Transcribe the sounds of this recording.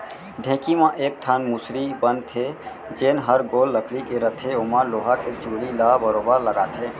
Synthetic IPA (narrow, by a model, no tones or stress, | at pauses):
ɖʱẽkimãʔek̚ʈʰanmusɾibənt̪ʰe | d͡ʒenɦəɾɡolːəkʰlikeɾət̪ʰeomaloɦaket͡ʃuɽilabəɾobəɾləɡat̪ʰe